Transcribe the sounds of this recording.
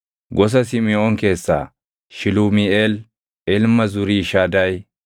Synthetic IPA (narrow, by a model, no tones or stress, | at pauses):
ɡɔs̬ɐs̬ɪmɪɔŋke̞ːsːa̰ː | ʃɪlumɪel | ʔɛlmɐzʊɾiːʃaːd̪ɐj